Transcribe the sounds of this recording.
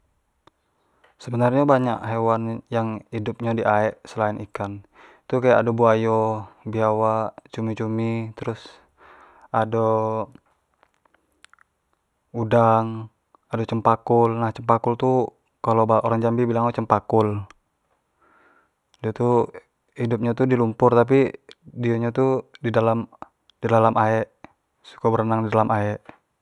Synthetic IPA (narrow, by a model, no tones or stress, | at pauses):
səbənarɲabaɲaʔɦewanjaŋidʊp̚ɲadiʔaɛʔsəlainikan | t̪ukajaʔdobuajobiawat͡ʃumit͡ʃumit̪əɾʊs | ado | udaŋ | adot͡ʃəmpakʊlnaht͡ʃəmpakult̪u | kalobaʔoɾaŋd͡ʒambibilaŋot͡ʃəmpakʊl | diat̪u | hidup̚ɲat̪udilumpʊrt̪ap̬idiaɲat̪udidalam | didalamaɛʔ | su̥kabəɾənaŋdidalamaɛʔ